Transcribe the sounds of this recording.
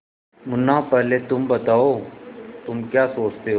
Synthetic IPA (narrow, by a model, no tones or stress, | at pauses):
mʊnːapɛɦlet̪ʊmbɐt̪aːoːt̪ʊmkjaːsoːt͡ʃt̪eɦo